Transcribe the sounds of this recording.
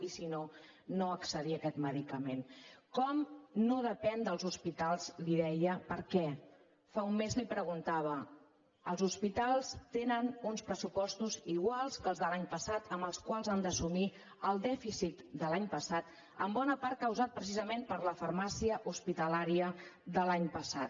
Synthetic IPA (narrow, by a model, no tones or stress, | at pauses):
isino | noəksəðiəkɛt̪məðikəmenkɔmnoðəpɛnd̪əlˠzuspit̪alˠz̥liðɛjəpəɾkɛ | faumːezlipɾəɣ̞unt̪aβ̞ə | əlˠzuspit̪alˠst̪enənunspɾəsupɔst̪uziɣwalˠskəlzðəlaɲpəsat̪əmbəlˠskwalˠzand̪əsumi | əlˠd̪ɛfisit̪d̪əlaɲpəsat̪ | ə̰mbɔnəpaɾt̪̚kəwzat̪̚pɾəsizəmempəɾləfəɾmasiəʔuspit̪əlaɾiəd̪əlaɲpəsat̪̚